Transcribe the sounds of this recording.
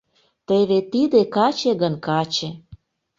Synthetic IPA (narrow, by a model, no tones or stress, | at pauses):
t̪eβet̪id̪ekɑt͡ɕĕɣənkɑt͡ɕĕ